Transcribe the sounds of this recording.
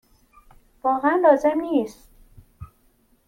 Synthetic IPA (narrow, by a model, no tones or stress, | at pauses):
vɒːɣeænlɒːzemniːst̪